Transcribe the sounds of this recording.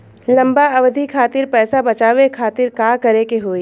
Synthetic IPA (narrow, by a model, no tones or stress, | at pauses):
lɐ̃mbaɐʋd̪ʱikʰaːt̪ɪɾpɛːsabɐt͡ʃaːwekʰaːt̪ɪɾkaːkɐɾekeɦoːiː